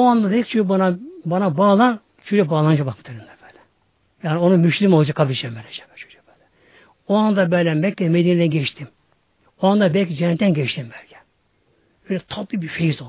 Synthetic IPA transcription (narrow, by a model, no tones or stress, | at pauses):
oand̪ad̪ɛkʲt͡ʃʰybanabanabaːlˠan | t͡ʃʰyd͡ʒɛbaːlˠand͡ʒʰabakbɯ̥t̪ʰɯɾɯnd̪ab̥ɛːlʲɛ | jaːnio̞numyʃlʲimolˠd͡ʒakʰabiʃɛmbɛlʲɛt͡ʃɛ̥bɛt͡ʃʰy̥d͡ʒɛ̥b̥ɛːlʲɛ | oand̪abɛlʲɛmɛcʲːɛmed̪inid̪ɛnɟɛʃt̪ʰim | oand̪abɛlʲcʲid͡ʒɛnːɛt̪ʰːɛnɟɛʃt̪ʰimbɛlʲcʰʲɛ̥ | bøjlʲɛt̪ʰɑt̪ːˠibifejizo